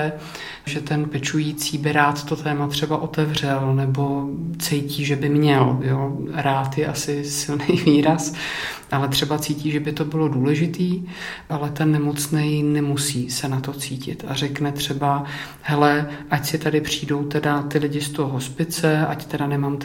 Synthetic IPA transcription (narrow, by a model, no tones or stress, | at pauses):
ɛ | ʒɛt̪ɛnpɛt͡ʃujiːt͡siːbɪɾaːt̪t̪o̞t̪ɛːmat̪r̝̥ɛbaʔo̞t̪ɛvrɛlnɛbo̞t͡sɛjciːʒɛbɪmɲɛljoːɾaːt̪jɛʔasɪsɪlnejviːɾas | ʔalɛt̪r̥ɛbat͡siːciːʒɛbɪt̪obɪlo̞duːlɛʒɪt̪iː | ʔalɛt̪ɛnːɛmo̞t͡snɛjnɛmusiːsɛnat̪o̞t͡siːcɪ̰t̪a̰rɛknɛt̪r̝̥ɛba | ɦɛlɛʔacsɪt̪adɪpr̝̥iːdo̞wt̪ɛdat̪ɪlɪɟɪst̪oɦoɦo̞spɪt͡sɛa̰ct̪ɛdanɛmamt̪